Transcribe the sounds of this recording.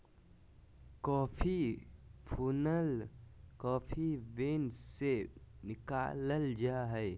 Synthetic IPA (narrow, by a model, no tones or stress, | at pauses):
kɔːpʰipʰuːnəlkɔːpʰibeːnsenɪkaːləld͡ʒaːɦɛː